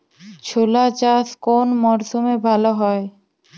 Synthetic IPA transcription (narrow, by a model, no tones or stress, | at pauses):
t͡ɕʰolat͡ɕaskonmɔɾd̪ʱomebʱaloɦɔe